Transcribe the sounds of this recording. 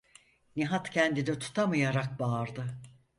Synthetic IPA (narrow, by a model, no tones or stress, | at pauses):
niɦat̪cʰɛnd̪inɛt̪ʰu̥t̪ʰamɯjaɾak̚baːɾd̪ɯ